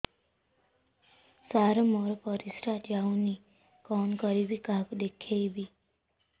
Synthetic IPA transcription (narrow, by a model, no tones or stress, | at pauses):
saɾɔmɔɾɔpɔɾisɾatauni | kɔnkɔɾibikãkud̪ekʰejbi